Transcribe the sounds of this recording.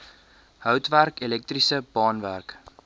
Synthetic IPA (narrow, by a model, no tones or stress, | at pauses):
hœwtværkilɛk̚trisəbɑːnværk